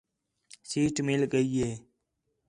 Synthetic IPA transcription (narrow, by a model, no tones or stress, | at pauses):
siːʈmilɡəieː